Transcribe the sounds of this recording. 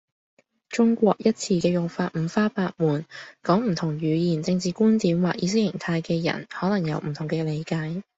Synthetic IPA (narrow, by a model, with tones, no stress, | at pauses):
t͡ʃʊ˥ŋkʷɔː˧k̚jɐ˥t̚t͡sʰiː˧kɛː˧jʊ˨ŋfaː˧t̚m̩ː˨˧faː˥paː˧k̚muː˨˩nkɔː˨˥ŋm̩˨˩t̪ʰʊ˨˩ŋɥyː˨˧jiː˨˩nt͡sɪ˧ŋt͡siː˨˧kuː˥nt̪iː˨˥mwaː˨k̚ʔiː˨˧s̬ɪ˥k̚jɪ˨˩ŋt̪ʰaː˧jkɛː˧jɐ̰˨˩nhɔː˨˥lɐ˨˩ŋjɐ˨˧wm̩˨˩t̪ʰʊ˨˩ŋkɛː˧le˨˧jkaː˨˥j